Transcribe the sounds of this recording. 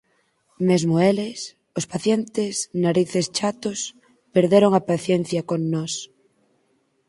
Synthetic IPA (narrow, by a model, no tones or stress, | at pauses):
mezmoeles | ospaθjent̪esnaɾiθest͡ʃat̪os | peɾðeɾoŋapaθjen̟θjɐkoŋnɔs